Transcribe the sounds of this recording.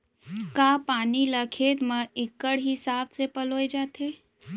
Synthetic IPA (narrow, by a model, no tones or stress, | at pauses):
kapaːniləkʰeːt̪məɪkːəɽɦisaːbsepəloːjd͡ʒaːt̪ʰe